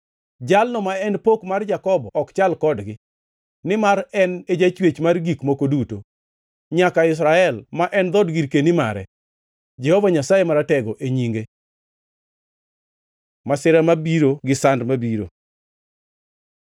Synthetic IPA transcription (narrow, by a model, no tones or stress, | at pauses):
d͡ʒalnɔmaɛnpokmard͡ʒakɔbɔkt͡ʃalkɔdɡɪ | nɪmaɾɛned͡ʒat͡ʃwet͡ʃmarɡikmokoduto | ɲakaɪs̬ɾaɛlmaʔɛnd̪ɔdɡiɾkenimaɾɛ̰ | d͡ʒɛhovaɲasajemaɾatɛɡoʔeɲiŋɡe | masɪɾamabiɾoɡɪsandmabiɾo̰